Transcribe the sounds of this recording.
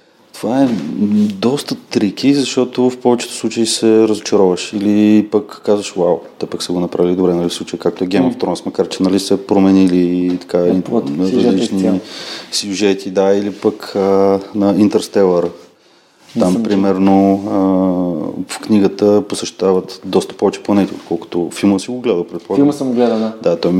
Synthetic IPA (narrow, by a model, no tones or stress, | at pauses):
t̪ovaɛd̪ɔst̪ət̪ɾik̟izɐʃt̪ɔt̪ofpɔvɛt͡ʃɛ̥t̪ʊ̥sˠut͡ʃəisɛɾəzot͡ʃɐɾɔvəʃilipəkːazvəʃwawt̪ɛpəksɛɡonɐpɾʔavilid̪obɾɛnɐlisˠut͡ʃəjikak̚t̪oɛɡʲɛjmoft̪ɾɔnsmɐkaɾt͡ʃɛnɐlisɛpɾomɛnilit̪ɐ̥kaiɾɐzlit͡ʃnisjuʒɛt̪ʰid̪ailipəkənɐint̪ɛɾst̪ɛlˠəɾ | ampɾimɛɾnoə | fkniɡət̪əposɛʃt̪avət̪d̪ɔst̪ə̥pɔvɛt͡ʃɛ̥plˠɐnɛt̪io̰t̪̚kʰɔlˠko̥t̪ofilˠməsiɡoɡlɛd̪əpɾɛt̪̚poɔisəmɡlɛd̪ənd̪at̪ɔj